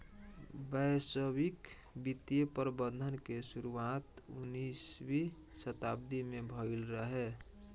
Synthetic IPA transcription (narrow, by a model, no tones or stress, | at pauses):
bəjsəbik | bit̪ijəpəɾbə̃nd̪ʱənkesuɾuat̪ṵniswi | sət̪ab̚d̪imebʱəɪlɾəɦe